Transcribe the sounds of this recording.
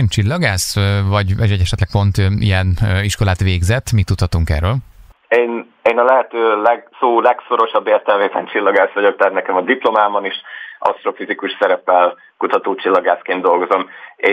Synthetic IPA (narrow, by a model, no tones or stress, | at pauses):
nt͡ʃilːɒɡaːsvɒɟɛʃɛɟɛʃɛt̪lɛk̚po̞nt̪ḭjɛniʃkolaːt̪ʋeːɡzɛt̪ːmit̪ːut̪hɒt̪uŋkɛ̰ːrøːl | eːn | eːnɒlɛɦɛt̪øːlɛɡsoːlɛkso̞ɾo̞ʃɒbːeːrt̪ɛlmeːbɛnt͡ʃilːɒɡaːsʋɒɟo̞k̚t̪aːt̪nɛkɛmɒd̪iplo̞maːbɒniʃʔɒ̰st̪ɾo̞fizikuʃsɛɾɛpːɛl | kut̪ɒt̪oːt͡ʃilːɒɡaːskeːnd̪o̞lɡozo̞meː